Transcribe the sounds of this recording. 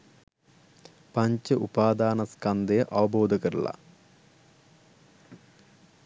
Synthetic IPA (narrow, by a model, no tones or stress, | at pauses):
pɐɲt͡ɕɐʔupaːd̪aːnɐskɐnd̪ɐjɐʔɐʋɐboːd̪ʱɐkɐɾuɭa̰